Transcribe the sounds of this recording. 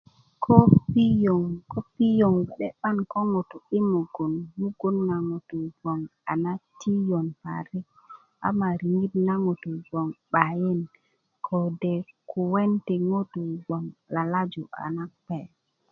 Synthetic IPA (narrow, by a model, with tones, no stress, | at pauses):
kʰɔ˦pi˦jo˨ŋkɔ˦pi˦jo˨ŋwɛ˨ɗɛ˦ɓa˦nkɔ˦ŋo˨tu˨i˦mo˨ɡo˨nmu˦ɡu˦nːa˨ŋo˨tu˨ɡɔ˨ŋa˨na˦ti˦jɔ˨npa̰˨ɾi˦ | ʔa̰˨ma˨ɾi˨ŋi˦tna˦ŋo˨tu˨ɡɔ˨ŋɓa˨jɛ˦n | kʰɔ˨dɛ˨ku˨wɛ˦ntɛ˨ŋo˦tu˨ɡɔ˨ŋla˨la˦d͡ʒu˨ʔa̰˨na˦pɛ˨